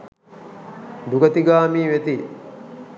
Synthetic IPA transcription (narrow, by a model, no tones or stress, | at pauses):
d̪uɡət̪iɡaːmiːʋet̪i